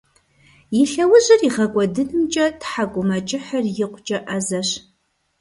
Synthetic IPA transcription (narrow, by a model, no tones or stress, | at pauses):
jɪɬɐwʊʑɪriʁɐkʷʼɔdɨnɨmt͡ʃʼɐtħakʷʼʊmɐt͡ʃʼɪħɐrjɪqʷʊt͡ʃʼɐʔɐzɐɕ